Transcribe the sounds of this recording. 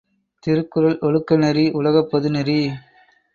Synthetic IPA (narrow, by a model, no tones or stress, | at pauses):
t̪ɪɾɯkːɯɾɐlɔɭɯkːɐnɛɾiʔʊlɐɣɐpːɐðɯnɐɾi